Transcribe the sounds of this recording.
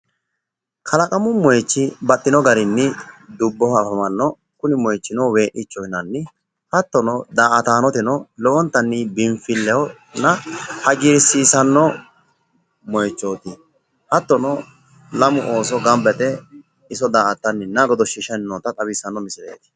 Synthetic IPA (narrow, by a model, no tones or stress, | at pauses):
kʰɐlɐkʼɐmʊmɔjt͡ʃːɪbɐɗːɪnɔɡɐɾɪnːɪd̪ʊbːɔɐfɐmɐnːɔ | kʊnɪmɔjt͡ʃːɪnɔwe̞ːʔɪt͡ʃːɔjnɐnːɪ | hɐt̪ːɔnɔd̪aːʔɐt̪aːnɔt̪ɪnɔlɔʔɔnt̪ːɐnːɪbɪmfɪlːɛwɔ | nɐhɐɡɪɾsiːsɐnːɔ | mɔjt͡ʃːoːt̪ɪ | hɐt̪ːɔnɔ | lɐmʊʔo̞ːs̬ɔɡɐmbɛt̪ɛ | ɪsɔd̪aːʔɐt̪ːɐnːɪnːɐɡɔd̪ɔʃɪʃɛnːɔt̪ɐt̪ʼɐbɪsɐnːɔmɪsɪɾḛːt̪ɪ̥